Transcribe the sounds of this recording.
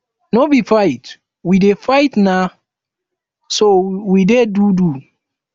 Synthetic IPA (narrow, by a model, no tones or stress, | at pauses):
nobifait | widefaɪtna | sowidedudu